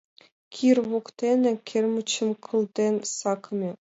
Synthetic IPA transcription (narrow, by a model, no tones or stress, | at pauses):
kʲʰirwokt̪ʲenʲɘ̆kʲʰĕrʲmut͡ɕːɘ̆mkʰɤ̆lˠd̪ʲenʲsɑkmʲe